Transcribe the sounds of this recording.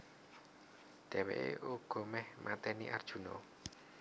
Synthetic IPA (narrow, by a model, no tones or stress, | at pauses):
ɖ̪̥ɛ̤wḛʔḛʔuɡ̥ɔ̤mɛhmʔat̪ɛniʔard̥ʒ̥ṳnɔ